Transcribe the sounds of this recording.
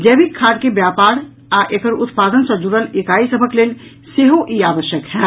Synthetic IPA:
d͡ʒɛːbikʰːaːɖkebjaːpaːɾ | aʔekəɾʊt̪paːd̪ənsə̃d͡ʒuɽəlekaːisəbʱəkleːl | seɦoʔiaːʋəʃjəkɦɛ

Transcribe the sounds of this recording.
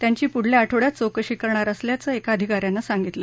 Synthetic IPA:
t̪jaɲt͡ɕiːpuɽ̤leaʈʰoɽjat͡sokəɕikəɾɳaɾəsljat͡səːekaəd̪ʱikaɾjanːasaŋɡit̪lə

